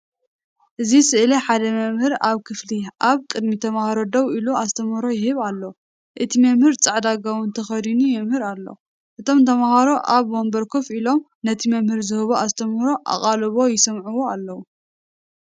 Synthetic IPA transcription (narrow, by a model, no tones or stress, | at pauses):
ʔɨzisɨʔɨlɐħad̪ɐmɐmhɨɾaβkʰɨfliʔaβkʼɨd̪mit̪ʰɐmahaɾo̞d̪ɐβiluazt̪ʰɐmhɾo̞jɪhɨβalːɐw | ʔɨt̪ʰimɐmhɨɾt͡sʼaʕd̪aɡawʊnt̪ʰɐxɐd̪inujɛmhɨɾalːo̰ | ʔɨt̪ʰo̞mt̪ʰɐmahaɾo̞ʔaβwombɐɾkʰofilo̞m | nɐt̪ʰimɐmhɨɾzɨhɨβoʔast̪ʰɐmhɾo̞ʔa̰χʼalβo̞jɪsɐmʕuwo̞alːɐwu